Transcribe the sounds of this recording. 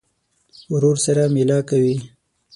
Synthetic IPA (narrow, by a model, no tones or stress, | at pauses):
ʊɾoɾsaɾamɪlɑkawi